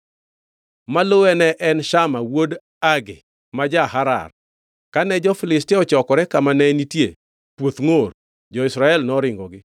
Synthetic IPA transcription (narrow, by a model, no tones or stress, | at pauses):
malowɛnɛʔɛnʃamawod | aɡɪ̰ | mad͡ʒahaɾa̰r | kanɛd͡ʒɔfɪlɪstɪɔt͡ʃɔkɔɾɛkamanɛnitjḛ | pwot̪ŋor | d͡ʒɔɪsɾaɛlnɔɾɪŋɡɔɡɪ